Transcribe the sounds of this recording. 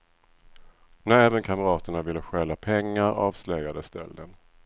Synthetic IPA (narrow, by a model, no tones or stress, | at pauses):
næɾɛːvənkʰaməɾɑːt̪əɳavɪlːəɧɛːlːapʰɛŋːaɾɑːvslœjad̪əst̪ɛ̰lːən